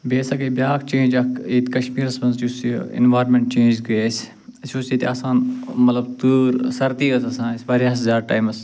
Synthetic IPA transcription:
beːsɐkebjaːkt͡ʃẽːnd͡ʒɐkeːt̪kɐʃmiːɾɐsbɐnzd͡ʒusiḭnʋaːɾmẽɳʈ̚t͡ʃẽːd͡ʒɡɐeːs | ɐsusiːt̪ʰʲaːsaːnmɐt̪lɐbt̪uːɾsɐɾt̪iːɐsɐsãːnsʋaːɾiɐszaːɾʈaːjmɐs

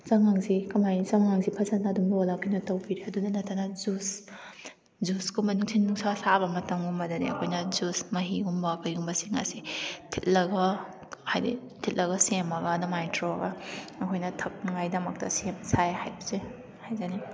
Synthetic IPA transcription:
zɐŋaŋsikɐmajnizɐŋŋaŋzipʰɐzɐnːɐːdumbolakinutɐwbiɾeɐdunɐnɐtʰːɐnɐzus | zuskumɐnuŋsʰinːuŋsasabɐmɐtɐmumbɐdɐnḭɐ̰kʰojnɐzusmɐɦiɡumbɐkʰɐjumbɐsiŋa̰sitʰit̚lɐɡɐ | hajdḭ | tʰit̚lɐɡɐsemɐɡɐdɐmajntʰɾoɐɡɐɐkʰojnɐtʰɐk̚nŋajdɐmɐk̚tɐ̰semsajhajbɐze | hajzɐni

